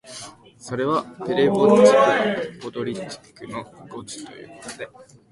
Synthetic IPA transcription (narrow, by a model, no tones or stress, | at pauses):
so̞ɾe̞βat̪eɾebot͡ɕikɯbot̪o̞ɾʲitːi̥kɯ̟no̞ɡo̞t͡ɕi̥t̪o̞̰jɯ̟ːkot̪od̪e̞